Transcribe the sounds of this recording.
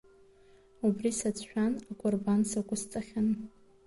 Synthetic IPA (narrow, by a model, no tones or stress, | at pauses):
ubrisat͡sʼʰʃᶣanakʷʼʊrbansaɡʷʊst͡sʼaχʲan